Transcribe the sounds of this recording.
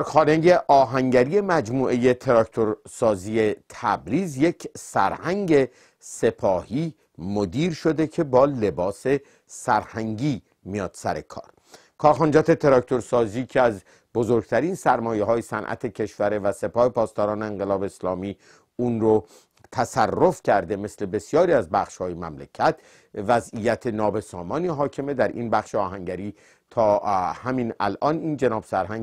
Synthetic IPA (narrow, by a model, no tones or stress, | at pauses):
xɒːneje̞ʔɒːɦæŋɟæɾije̞mæd͡ʒmuːʔe̞je̞t̪ʰe̞ɾɒkt̪ʰoɾsɒːziːet̪ʰæbɾiːzje̞cʰsæ̰ɾhæŋɟe̞ | se̞pʰɒːhiː | mod̪iːɾʃo̞d̪e̞cʰe̞bɒːle̞bɒːse̞ | sæɾhæŋɟiː | mijɒːd̪̥sæ̰ɾe̞kʰɒ̰ːɾ | kʰɒːɾxɒːnd͡ʒɒːt̪ʰe̞t̪ʰe̞ɾɒkt̪ʰo̞ɾsɒːziːcʰeæz | bozoɾɡ̚t̪ʰæɾiːnsæɾmɒːjeɦɒːjesænʔæ̰t̪ʰecʰe̞ʃvæɾevæse̞pɒːhe̞pʰɒːst̪ɒːɾɒːneeŋɡelɒːbeːslɒːmiː | unɾo | t̪ʰæsærːo̞fcʰæɾd̪eme̞sle̞be̞sijɒːɾiːæzbæxʃhɒːjemæmlecʰæt̪ | væzijæt̪ʰenɒːbe̞sɒːmɒːniɦɒːcʰe̞me̞d̪æɾʔḭːnbæχʃeɒːɦæŋɟæɾiː | t̪ʰɒːhæminæ̰lʔɒːniːnd͡ʒenɒːb̥sæɾhæŋ